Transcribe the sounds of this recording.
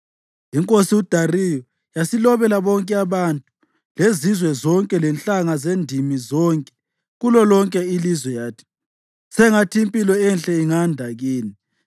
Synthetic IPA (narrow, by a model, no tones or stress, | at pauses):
iŋkʼosiud̥ʱarijɔ | jasilɔβɛlaβɔŋkʼɛaβantʼu̥ | lezizwɛzɔŋkʼɛlɛnt͡ɬʼaŋazendʱimizɔŋkʼɛ̥ | ɣulɔlɔŋkʼɛilizwɛjaːtʰi̥ | sɛŋatʰimpʼilɛɛnɬʼɛiŋandʱaɣiːni